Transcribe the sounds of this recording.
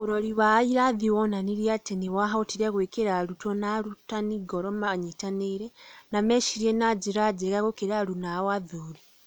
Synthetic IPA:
oɾoɾiβaiɾaðiwonaniɾiateniwaɦaotiɾeɣwekeɾaɾutonaɾutaniɡoɾomaɲitaneiɾenameʃiɾienad͡ʒiɾad͡ʒeɣaɣokeɾalunawaðuːɾi

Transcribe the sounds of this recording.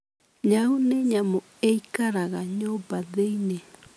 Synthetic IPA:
ɲauneɲamo | eikaɾaɣaɲobaðejne

